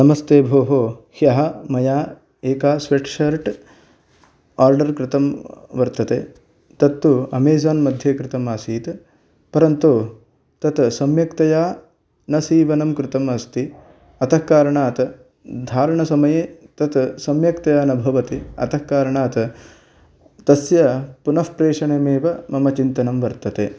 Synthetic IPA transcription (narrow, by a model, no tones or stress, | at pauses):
nɐmɐst̪eːbʱoːɦoːhjɐɦɐ̆mɐjaː | eːkaːsʋeːʈʂɐɾʈ | aːɾɖɐɾkɾɪt̪ɐmʋɐɾt̪ɐt̪eː | t̪ɐt̪ːuɐ̰meːd͡ʒaːnmɐd̪ʱjeːkɾɪt̪ɐmaːsiːt̪ | pɐɾɐnt̪o | t̪ɐt̪sɐmjɐkt̪ɐjaː | nɐsiːʋɐnɐmkɾɪt̪ɐmɐst̪ʰi | ɐt̪ʰɐkaːɾɐɳaːt̪ | d̪ʱaːɾɐɳɐsɐmɐjet̪ɐt̪sɐmjɐkt̪ɐjaːnɐbʱɐʋɐt̪iɐ̰t̪ʰɐhkaːɾɐɳaːt̪ɐ | t̪ɐsjɐpunɐɦpɾeːʂɐɳemeːʋɐmɐmɐt͡ʃint̪ɐnɐmʋɐɾt̪ɐt̪eː